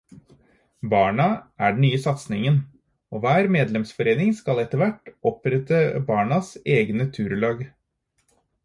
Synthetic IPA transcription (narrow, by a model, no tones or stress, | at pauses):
bɑːɳɑʔæɖɳ̩n̩nyːəsɑt̪snɪŋən | oːʋæːɾmeːd̪lɛmsfɔɾeːnɪŋskɑlɛt̪ːəʋæʈːɔpɾɛt̪əbɑːɳɑseːɡnət̪ʰʉːɾlɑːɡ